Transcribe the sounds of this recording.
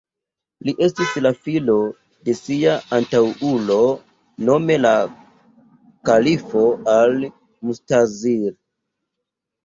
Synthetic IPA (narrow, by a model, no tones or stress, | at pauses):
liʔe̞stislafilo̞ | de̞siaantawulo̞ | no̞me̞la | kalifo̞al | mustaziɾ